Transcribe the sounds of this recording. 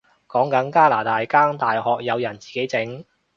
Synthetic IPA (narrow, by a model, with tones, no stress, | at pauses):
kɔː˨˥ŋkɐ˨˧˥nkaː˥laː˨˩t̪aː˨jkaː˥ŋt̪aː˨jhɔː˨k̚jɐ˨˧wjɐ˨˩nt͡siː˨ke˨˥jt͡sɪ˨˥ŋ